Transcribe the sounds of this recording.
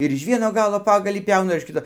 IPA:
ɪr ɪʃ ˈʋʲiɛnoː ˈɡɑːlˠoː ˈpɑːɡɐlʲiː ˈpʲɛʊnɐ ɪr ɪʃ ˈkʲɪtoː

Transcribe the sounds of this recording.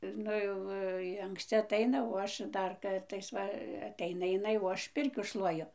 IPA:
ˈnʊ jɛʊ jɪ ɐŋksʲˈt͡sʲɪ ɐtˈɐɪnɐ oː ˈɐʃ ˈdɐr ˈkɐrtɐɪs ˈʋɐ ɐtʲˈɛɪnɐ ɪˈnɐɪ oː ˈɐʃ ˈpʲɪrʲkʲuː ˈʃlˠuɔjʊ

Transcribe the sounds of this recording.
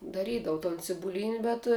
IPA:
dɐˈrʲiːdɐʋʊ toːn t͡sʲɪbʊˈlʲiːnʲɪ bʲɛt

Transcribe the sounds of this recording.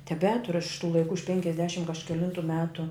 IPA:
tʲɛˈbʲæːtʊrʊ ɐʃ ɪʃ tuː lˠɐɪˈkuː ɪʃ pʲɛŋʲkʲɛzʲˈdʲæːʃʲɪm kɐʃʲkʲɛˈlʲɪntʊ ˈmʲæːtʊ

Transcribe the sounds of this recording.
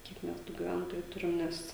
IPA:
ˈkʲiɛk ˈmʲɛs tuː ɡʲɪˈʋʲɛntoːjuː ˈtʊrʲɪm ˈnʲɛs

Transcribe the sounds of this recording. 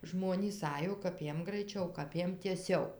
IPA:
ˈʒmoːnʲiːs ˈɑːjoː kɐp ˈjiɛm ɡrɐɪˈt͡ʃʲɛʊ kɐp ˈjiɛm tʲiɛˈsʲɛʊ

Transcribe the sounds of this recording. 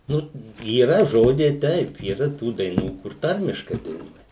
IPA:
ˈnʊ iːˈrɐ ʒoːˈd͡ʒʲɛɪ ˈtɐɪp iːˈrɐ ˈtuː dɐɪˈnuː kʊr ˈtɐrʲmʲɪʃkɐɪ dɐɪˈnuɔjɛ

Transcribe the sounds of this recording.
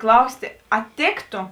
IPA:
ˈklˠɐʊsʲtʲeː ˈɐ ˈtʲeːktoː

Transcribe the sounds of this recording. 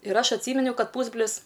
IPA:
ɪr ˈɐʃ ɐtʲˈsʲiːmʲɪnʲɛʊ ˈkɐt ˈpuːzʲbʲrʲlʲɪs

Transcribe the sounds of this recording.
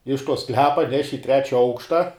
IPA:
ɪʃ toː ˈsklʲæːpɐ ˈnʲæːʃʲɪ ɪ ˈtʲrʲæːt͡ʃʲɛ ˈɐʊkʃtɐ

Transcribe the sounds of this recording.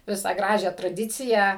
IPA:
ˈʋʲɪsɑː ˈɡrɑːʒʲæː trɐˈdʲɪt͡sʲɪjæː

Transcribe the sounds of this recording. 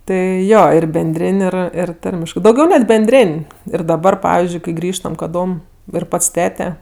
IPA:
ˈtɐɪ ˈjoː ˈɪr bʲɛnʲˈdʲrʲeːnʲ ˈɪr ˈɪr ˈtɐrʲmʲɪʃkɜ dɐʊˈɡʲɛʊ nʲɛt bʲɛnʲˈdʲrʲeːnʲ ɪr dɐˈbɐr ˈpɑːʋʲɪzʲd͡ʒʲʊɪ kɐɪ ˈɡrʲiːʃtɐm kɐˈdoːm ɪr ˈpɐts ˈtʲæːtʲɛ

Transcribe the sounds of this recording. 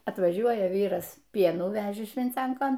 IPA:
ɐtʋɐˈʒʲuɔjɛ ˈʋʲiːrɐs ˈpʲiɛnuː ˈʋʲæːʒʲeː ʃʲʋʲɪnʲˈt͡sʲɛŋkoːn

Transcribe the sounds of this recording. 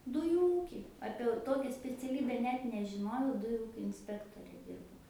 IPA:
ˈdʊjuː ˈuːkʲiː ˈɑːpʲiɛ ɐʊ ˈtoːkʲɛ sʲpʲɛt͡sʲɛˈlʲiːbʲɛ ˈnʲɛt nʲɛʒʲɪˈnoːjɛʊ ˈdʊjuː ˈuːkʲoː ɪnʲˈsʲpʲæːktoːrʲɛ ˈdʲɪrbɐʊ

